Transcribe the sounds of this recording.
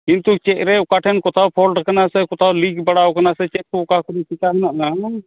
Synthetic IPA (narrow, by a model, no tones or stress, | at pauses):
kint̪ut͡ʃɛʔ̚ɾɛukaʈʰɛnkɔt̪ʰawpʰɔlʈakanasɛkɔt̪ʰawliɡbaɽawkanasɛt͡ʃɛt̪̚kukakɔɾisikaɦnaʔna